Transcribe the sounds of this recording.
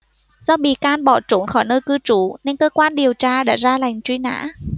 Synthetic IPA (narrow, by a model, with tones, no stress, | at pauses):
z̥ɔ˧ɓḭ˧˨kaː˧nɓɔ˧˩t͡ɕo˨˦nxɔ˧˩jnəː˧jkɨ˧t͡ɕu˨˦ne˧nkəː˧kwaː˧nɗi˨˩əwt͡ɕaː˧ɗa̰ː˧˥zaː˧la˨˩jŋ̟t͡ɕwi˧na̰ː˧˥